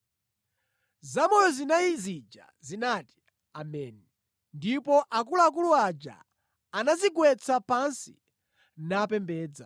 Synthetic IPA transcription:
zamɔjɔzinaizid͡ʒa̰zinati̥ | amɛni | ndipɔʔakulaak̬uluad͡ʒa̰ | anaziɡwɛt͡sʰapansi̥̰ | naːpɛmbɛːd͡za

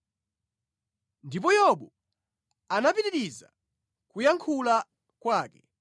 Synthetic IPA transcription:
ndipɔjɔɓɔ | anapiɾiɾiza̰ | kujaŋkʰula | kwaːkɛ

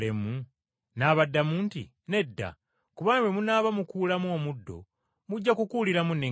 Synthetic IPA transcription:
emu | naːβadːamuntḭ | ne̞dːa̰ | kuβaːnβwemunaːβamukuːlamuo̞ːmudːo̞̰ | muɟːakukuliɾamune

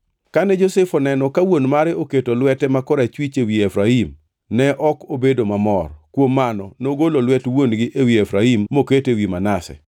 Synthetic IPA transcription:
kanɛd͡ʒosɛfɔnɛnɔkawonmaɾɪoketolwɛtɛmakɔɾat͡ʃwit͡ʃewiefɾaim | nɛʔɔkobedomamɔrkwomːanɔnoɡololwɛtwonɡɪʔewiefɾaimːoketewimanasɛ̰

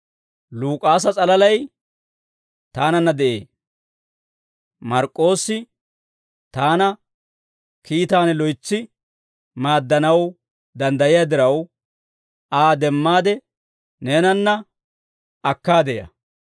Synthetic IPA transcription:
luːkʼaːs̬ɐt͡sʼɐlɐlɐj | t̪aːnɐnːɐd̪ɛʔe̞ː | mɐɾkʼːo̞ːsɪ | t̪aːnɐ | kiːt̪aːnɛlɔjt͡sːɪ | maːd̪ːɐnɐw | d̪ɐnd̪ɐjɪjaːd̪ɪɾɐw | aːd̪ɛmːaːd̪ɛ | neːnɐnːɐ | ɐkːaːd̪ɛjɐ̰

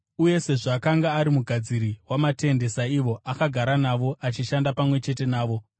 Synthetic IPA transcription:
uje̞se̞ʐakaŋɡaːɾimuɡʱad͡ziɾiwamate̞nde̞saiʋo̞ʔakaɡʱaɾanaʋo̞ʔat͡ʃiʃandapamwe̞t͡ʃe̞te̞naːʋo̞

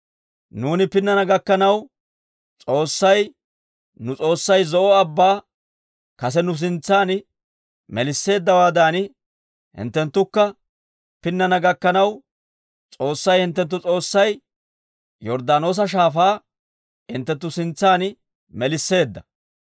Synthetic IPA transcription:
nuːnɪpɪnːɐnɐɡɐkːɐnɐw | t͡sʼo̞ːsːɐj | nʊt͡sʼo̞ːsːɐjzɔʔɔɐbːaː | kɐsɛnʊs̬ɪnt͡sːaːn | mɛlɪsːe̞ːd̪ːɐwaːd̪aːn | hɪ̰nt̪ːɛnt̪ːʊkːɐ | pɪnːɐnɐɡɐkːɐnɐw | t͡sʼo̞ːsːɐjhɪnt̪̬ːɛnt̪̬ːʊt͡sʼo̞ːsːɐj | jɔɾd̪aːno̞ːs̬ɐʃ̬aːfaː | hɪ̰nt̪ːɛnt̪̬ːʊsɪnt͡sːaːn | mɛlɪsːe̞ːd̪ːɐ

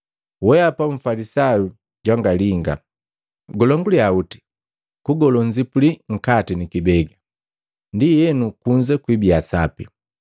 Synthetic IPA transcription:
wɛapauɱ̩falisaju | ɟwaŋɡaliŋɡa̰ | ɡɔlɔŋɡuliauti̥ | kuɡɔlɔɲd͡ʒipuliŋ̩katinikibɛɡa | ndijɛnukuɲd͡ʒɛkwibiasapi

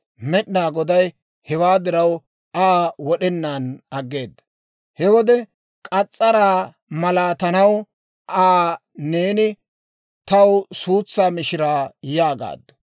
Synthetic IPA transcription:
mɛɗnaːɡɔd̪ɐj | hɛwaːd̪ɪɾɐw | aːwɔɗɛnːaːnɐɡːe̞ːd̪ːɐ̥ | hɛwɔd̪ɛ | kʼɐt͡sʼːɐɾaː | mɐlaːt̪ɐnɐw | ʔaːne̞ːnɪ | t̪ɐwsuːt͡sːaːmɪʃɪɾaːjaːɡa̰ːd̪ːɐ̥

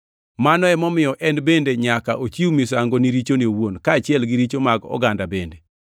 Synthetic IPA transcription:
manɔɛmɔmɪjɔʔɛnbendeɲakaʔot͡ʃiumisaŋɡoniɾit͡ʃoniowonkaːt͡ʃɪɛlɡiɾit͡ʃomaɡɔ̰ɡandabende

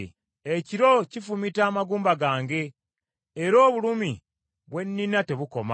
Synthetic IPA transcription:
eciɾo̞cifumitaːmaɡuːmbaɡaːŋɡe̞ː | ɾo̞ːβulumi | βwe̞nːinate̞βuko̞ma

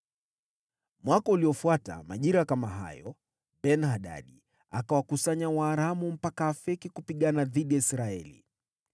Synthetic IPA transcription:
mwakɔuliɔfuata̰ma̰ʄiɾakamaɦa̰jɔ̰ | ɓɛnhaɗa̰ɗi | akawakusaɲawaːɾamum̩pakaːfɛkikupiɠanaðiɗiaisɾaɛlḭ

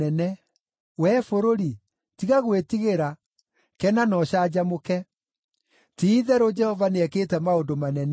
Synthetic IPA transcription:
ɛnɛ | wɛfoɾoɾi | tiɣaɣwetiɣeɾa | kɛnanɔɕad͡ʑamokɛ | tiːðɛɾod͡ʒɛhɔvaneɛkeːtɛmaondomanɛn

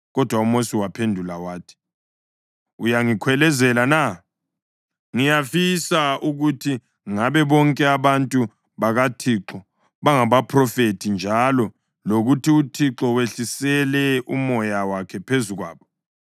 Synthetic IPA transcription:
ɣɔd̥ʱwaumosiwapʰendʱulawaːtʰi̥ | ujaŋikʰwɛlɛzɛlana | ŋijafisauɣutʰi | ŋaβɛβɔŋkʼɛaβantʼu | βaɣatʰiǁɔ | βaŋaβapʰrɔfetʰind͡ʒʱalɔ | loɣutʰiutʰiǁɔweɬisɛlɛumɔjawakʰɛpʰezuɣwa̰ːβɔ

